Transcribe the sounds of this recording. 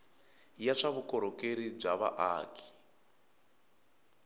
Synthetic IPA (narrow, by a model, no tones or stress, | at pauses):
jaʂaβukɔɾɔkeɾib͡ʐaβa̰ʔaːkʰi̥